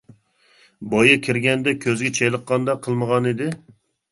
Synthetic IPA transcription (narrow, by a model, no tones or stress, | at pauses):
bɑjɨkʲʰiɾɡʲɛnd̪ɛkʲʰøzɡʲɛt͡ʃʰɛjlˠəqːɑnd̪ɑqʰːəlˠməʁɑnɪd̪ɪ